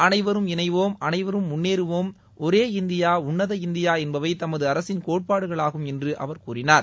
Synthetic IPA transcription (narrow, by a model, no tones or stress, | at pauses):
ɐnɐɪʋɐɾɯmɪnɐɪʋoːmɐnɐɪʋɐɾɯmːʊnːeːɾɯʋoːm | ɔɾeːɪnd̪ɪjaːʊɳːɐðɐɪnd̪ɪjaːɛnbɐʋɐɪt̪ɐmɐðɯɐɾɐsɪnkoːʈ̚paːɽɯɣɐɭaːɣɯmɛndrɯʔɐ̰ʋɐɾkuːɾɪnaːɾ